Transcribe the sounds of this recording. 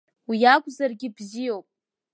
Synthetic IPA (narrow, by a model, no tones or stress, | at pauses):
wijaɡʷʼzarɡʲɪbzijowpʼ